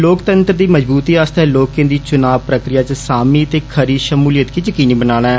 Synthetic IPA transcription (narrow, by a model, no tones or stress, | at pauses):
loːkt̪ənt̪ɾd̪iːməd͡ʒbuːt̪iːaːst̪ɛːloːkẽːd̪iːt͡ʃʊnaːʋpɾəkɾɪjaːt͡ʃsaːmiːət̪eːkʰəɾiːʃəmuːlijət̪kiːd͡ʒəkiːniːbənaːɽ̃aɛː